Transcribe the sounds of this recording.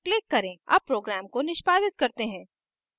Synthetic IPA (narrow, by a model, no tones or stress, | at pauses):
klɪkːɐɾẽɐ̰b̚pːɾoːɡɾaːmkonɪʃpaːd̪ɪt̪kɐɾt̪eɦɛ̃ː